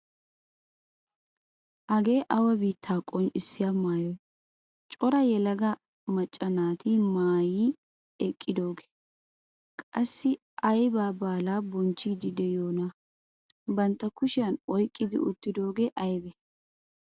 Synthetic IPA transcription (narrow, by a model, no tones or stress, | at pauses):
ʔɐɡe̞ːʔɐwɐbiːt̪ʰːaːkʼɔnɪsːɪjamaːjɔ | t͡ʃʼɔɾɐjɛlɐɡɐ | mɐt͡ʃʼːɐnaːt̪imaːjiː | ɛkʼːɪd̪o̞ːɡe̥ | kʼɐsːɪ | ʔɐjbaːbaːlaːbɔnt͡ʃːiːd̪ɪd̪ɛjoːnɐ | bɐnt̪ːɐkʊʃɪjɐnɔjkʼːɪd̪ɪ̰ʊt̪ːɪd̪o̞ːɡeːʔɐjbɛ